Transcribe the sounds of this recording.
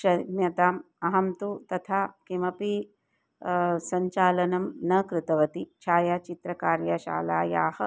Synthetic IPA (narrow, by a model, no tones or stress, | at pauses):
ʃɐmjɐt̪aːm | ɐɦɐmt̪ut̪ɐt̪ʰaːkimɐpi | sɐɲt͡ʃaːlɐnɐmnɐkɾɪt̪ɐʋɐt̪it͡ʃʰaːjaːt͡ʃit̪ɾɐkaːɾjɐʃa̰ːlaːja̰ːhɐ̆